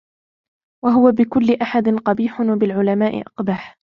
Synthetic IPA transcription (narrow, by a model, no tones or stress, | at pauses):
waɦʊwabɪkʊlːɪʔaħad̪ɪnqɑbiːħʊnwabɪlʕʊlamaːʔɪ̰ʔɑqbaːħ